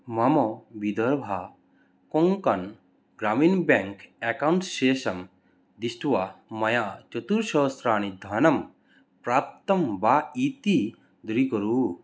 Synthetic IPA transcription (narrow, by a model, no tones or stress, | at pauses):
mɐmɔbid̪ɐɾbʱa | koŋkɐn | ɡɾaːmiːnbeŋkekawɳʈʃeːʃɐm | d̪isʈuʋamɐjaːt͡ʃɐt̪uɾʃɐːsɾaːnid̪ʱaːnɐm | pɾaːp̚t̪ɐmbaːit̪i | d̪uɾikɔɾuː